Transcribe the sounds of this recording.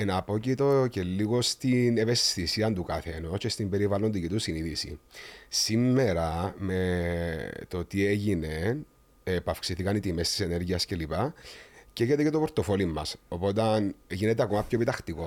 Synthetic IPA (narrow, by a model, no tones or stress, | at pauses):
enɐapo̞cit̪o̞ce̞lːiɣo̞st̪ineve̞st̪isiɐnt̪ukɐθeno̞cest̪imbe̞ɾivɐlond̪icit̪usiniðisḭsimːe̞ɾɐme̞ | t̪o̞t̪ieʝine | epafksiθikɐnit̪imest̪i̥sene̞ɾʝiɐsce̞lipɐceʝet̪ecet̪o̞poɾt̪o̞fo̞limːɐso̞po̞t̪ɐnʝinet̪eakomɐpçoepit̪ɐxt̪iko̞